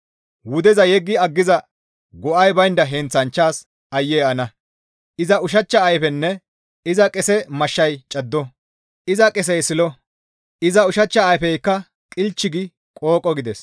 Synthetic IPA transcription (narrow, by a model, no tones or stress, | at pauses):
wʊd̪ɛzɐjɛɡːɪɐɡːɪzɐ | ɡɔʔɐjbɐjnd̪ɐɦɛnt͡sːɐnt͡ʃːaːs | ʔɐjːɛːɐnɐ | ʔɪzɐʊʃ̬ɐt͡ʃːɐːjpɛnːɛ | ɪzɐkʼɛsɛmɐʃːɐjt͡ʃʼɐd̪ːɔ | ʔɪzɐkʼɛs̬ɛjsɪlɔ | ɪzɐʊʃɐt͡ʃːɐːjpɛjkːɐ | kʼɪlt͡ʃːɪɡɪ | kʼoːkʼːɔɡɪd̪ɛs